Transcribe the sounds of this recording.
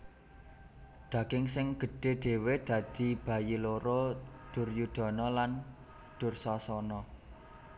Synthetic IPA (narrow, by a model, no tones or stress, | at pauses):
d̪̥ä̤kɪŋsɪŋɡ̥ə̤ɖ̥e̤ɖ̪̥e̤wed̪̥ä̤d̪̥i̤b̥ä̤jiloɾod̪̥ʊrjud̪̥ɔ̤nɔlan | d̪̥ʊ̤rsɔsɔnɔ